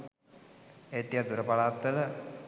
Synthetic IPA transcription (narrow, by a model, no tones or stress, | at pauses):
et̪ːiad̪uɾəpalaːt̪ːələ